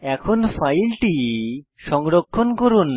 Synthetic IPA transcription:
ɛkʰonpʰajlʈiʃɔŋɾokʰːonkoɾun

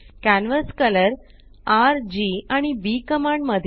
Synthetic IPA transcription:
kænʋəskələɾ | aɾd͡ʑiaɽ̃ibikəmaɳɖməd̪ʱ

